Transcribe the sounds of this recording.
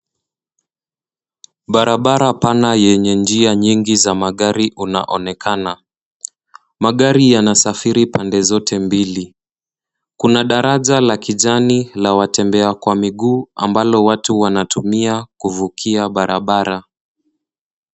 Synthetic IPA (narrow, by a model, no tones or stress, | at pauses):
ɓaɾaɓaɾapanajɛɲɛnd͡ʒiaɲiŋɡizamaɠaɾiʔuna̰ʔɔnɛkʰana | maɠaɾijanasafiɾipandɛzɔtʰɛmbili | kunaɗaɾaʄalakiʄanilawatɛmbɛakwamiɠuːa̰mbalɔwatuwanatumiakuvukʰiaɓaɾaɓaɾa